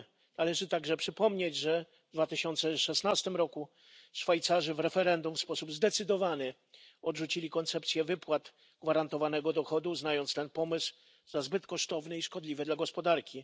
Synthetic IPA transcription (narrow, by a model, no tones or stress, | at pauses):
nalɛʐɘt̪aɡʐɛpʂɘpɔmɲed͡ʑʐɛ | d̪vat̪ɘɕɔnt̪sɛʂɛsnast̪ɘmɾɔku | ʂfajt̪saʐɘvɾɛfɛɾɛnd̪umfspɔsubzd̪ɛt̪sɘd̪ɔvanɘ | ɔdʐut͡ɕilʲikɔnt̪sɛpt̪sʲjɛvɘpwat̪ | ɡvaɾant̪ɔvanɛɡɔd̪ɔxɔd̪uznajɔntst̪ɛnpɔmɘsw | zazbɘt̪kɔʂt̪ɔvnɘiʂkɔd̪lʲivɘd̪laɡɔspɔd̪aɾkʲi